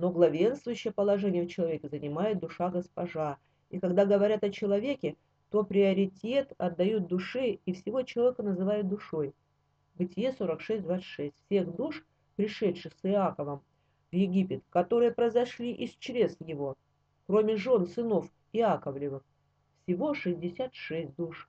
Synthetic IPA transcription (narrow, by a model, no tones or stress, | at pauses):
no̞ɡlˠɐvʲe̞nst̪vʊjʏɕːɪjəpəlˠɐʐɛnʲɪjəft͡ɕɪlˠɐvʲekʲɪzənʲɪmajʊt̪̚d̪ʊʂaɡəspɐʐa | ikɐɡd̪aɡəvɐɾʲat̪ɐt͡ɕɪlˠɐvʲekʲɪ | t̪o̞pɾʲɪɐɾʲɪtʲe̞t̪ɐ̰d̪ːɐjut̪̚d̪ʊʂɨːfsʲɪvo̞t͡ɕɪlˠɐvʲekənəzɨvajʊt̪̚d̪ʊʂo̞j | bɨtʲɪjeso̞ɾəkʂɛsʲt̚ʲd̪vat̪sɨ̥tʂɛsʲtʲfʲsʲe̞xd̪uʂ | pɾʲɪʂɛlʲʂɨxsɨakəvəm | vjɪɡʲipʲɪt̪kɐt̪o̞ɾɨjəpɾəjɪzɐʂlʲiʔɪst͡ɕɾʲe̞sjɪvo̞ | kɾo̞mʲɪʐo̞nsɨno̞f | ɪakəvlʲɪvɨx | fsʲɪvo̞ʂɨzʲdʲɪsʲat̪ʂɛsʲt̚ʲd̪uʂ